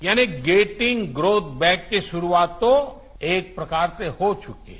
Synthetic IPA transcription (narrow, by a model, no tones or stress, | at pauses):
jaːniɡeːʈɪ̃ŋɡɡɾoːt̪̚ʰbɛ̃ːkːeʃʊɾuaːt̪õ | eːk̚pɾɐkaːɾsehot͡ʃʊkḛ